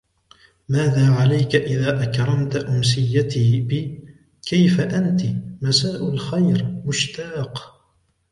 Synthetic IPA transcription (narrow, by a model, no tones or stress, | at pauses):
maːðaːʕalajkaʔɪðaːʔakɾˤɑmt̪aʔʊmsɪjːat̪iːbɪ | kajfaʔant̪ɪmasaːʔʊlxajɾmʊʃt̪aːq